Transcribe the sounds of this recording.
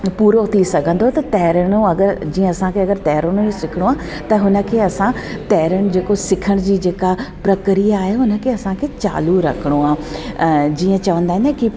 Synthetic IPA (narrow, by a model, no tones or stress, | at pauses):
puːɾot̪ʰisɐɡʱə̃nd̪ot̪ɐt̪ɐɦɾəɽ̃uɐɡəɾd͡ʑĩːə̃ɐsãkʰeɐɡəɾt̪ɛɦɾəɽ̃ũisɪkʰɪɽ̃uaː | t̪ɐɦʊnə̆kʰeːɐsãt̪ɛɦɾəɽ̃̆d͡ʑeːkosɪkʰəɽ̃d͡ʑiːd͡ʑeːkapɾɐkɾijaːɦeʊnə̆kʰeːɐsãkʰeːt͡ɕa̰ːluɾɐ̰kʰɪɽ̃oaː | d͡ʑiːə̃t͡ɕɐʋə̃nd̪aːɪ̃nki